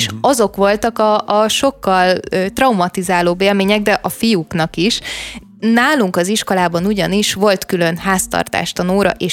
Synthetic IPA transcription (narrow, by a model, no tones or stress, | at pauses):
ʃɒzo̞kʋo̞lt̪ɒkɒːʃo̞kːɒlːt̪rɒwmɒt̪izaːloːbeːlmeːɲɛɡ̚d̪ɛʔɒfijuknɒkiʃ | naːluŋkɒziʃko̞laːbɒnuɟɒniʃʋo̞lt̪kylø̞nhaːst̪ɒ̰rt̪a̰ːʃt̪ɒnoːɾɒ̰ʔeːʃ